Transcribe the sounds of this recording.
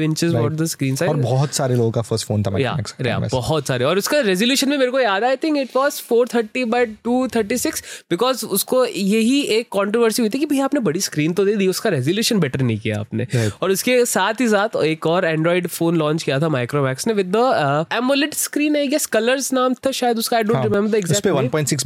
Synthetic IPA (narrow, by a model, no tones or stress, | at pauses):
ʋɪ̃nt͡ʃɪzbaːʈ̚d̪əskɾĩːnsaɔɾbɔɦt̪saːɾeloːɡõkafəɾsʈfoːnt̪ʰama̰ja̰mɛ̰ksɾḛbɔɦɔt̪saːɾeɔːɾʊskeɾɛzoljuːʃənmẽmeːɾekojaːd̪aːɪt̪ʰɪ̃ŋkɪʈʋɔːzfoːɾt̪ʰəɾʈibaɪʈuːt̪ʰəɾʈisɪksbɪkɔːzʊskojɐɦieːkːɔ̃ːɳʈɾoʋəɾsiɦʊit̪ʰikibʱɐɦiaːpnebɐɽiskɾiːnt̪od̪eːd̪iʊskaɾɛzoljuːʃənbɛʈəɾnəɦĩkija̰a̰ːpnḛɔːɾʊskesaːt̪ʰɦis̬aːt̪ʰeːkɔːɾɛ̃ːɳɖɾɔːɪɖfoːnlɔ̃ːɲt͡ʃkijat̪ʰamaːɪkɾoːmɛːksneʋɪd̪ːəɛːmolɪʈskɾiːnɛjɛskɐləɾznaːmt̪ʰɐʃaːjəd̪ʊskaːɪɖõːɳʈɾɪmɛ̃mbəɾɪɡzɛsk̚peʋɐ̃lpɔ̃ːɪ̃ʈsɪks